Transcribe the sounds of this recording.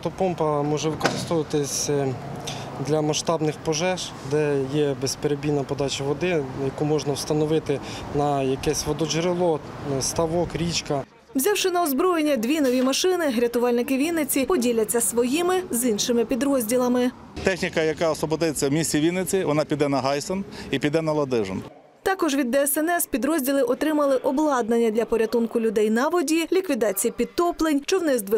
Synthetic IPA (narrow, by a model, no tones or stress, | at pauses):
t̪ɔpɔmpɐmɔʒɛʋɪkɔɾɪst̪ɔʋɐt̪ɪsʲ | d̪lʲɐmɐʃt̪ɑbnɪxpɔʒɛʃ | d̪ɛjɛbɛspeɾebʲinɐpɔd̪ɑt͡ʃɐʋɔd̪ɪjɐkumɔʒnɐwst̪ɐnɔʋɪt̪ɪ | nɐjɐkɛsʲʋɔd̪ɔʒɾɪlˠɔ | st̪ɐʋɔkɾʲit͡ʃkɐ | wzʲawʃɪnɐɔzbɾɔjenʲːɐd̪ʲʋʲinɔʋʲimɐʃɪnɪɦɾʲɐt̪ʊʋɑlʲnɪkɪʋʲinːɪt͡sʲipɔdʲilʲɐt͡sʲːɐsʋɔjimɪzinʃɪmɪpʲid̪ɾɔzʲdʲilˠɐmɪ | t̪ɛxnʲikɐjɐkɑɔsʋɔbɔd̪ɪt͡sʲːɐwmʲisʲt͡sʲiʋʲinɪt͡sʲiʋɔnɑpʲid̪ɛnɐɦɑjsɔnipʲid̪ɛnɐlˠɐd̪ɪʒɔ̰n | t̪ɑkɔʒʋʲid̪ːɛɛsɛnɛspʲid̪ɾɔzʲdʲilˠɪʔɔt̪ɾɪmɐlˠɪʔɔblˠɑd̪̚nɐnʲːɐd̪lʲɐpɔɾʲɐt̪unkʊlʲʊd̪ɛjnɐʋɔdʲilʲikʋʲid̪ɑt͡sʲijipʲid̪̚t̪ɔplˠenʲt͡ʃɔwnɪzd̪ʋɪ